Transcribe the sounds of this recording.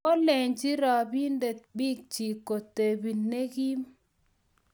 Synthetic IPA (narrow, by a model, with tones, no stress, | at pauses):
o˦lɛ˨ɲd͡ʒi˦ɾɔ˨bi˦nde˨t̚bi˦k̚t͡ʃi˨ko˨te˨bi˨ne˦ɡi˦m